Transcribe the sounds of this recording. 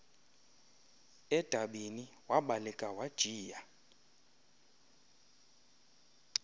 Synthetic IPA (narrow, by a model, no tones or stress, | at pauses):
ɛd̥ʱaɓiniwaɓalɛkʼawad̥ʒ̥ʱiːja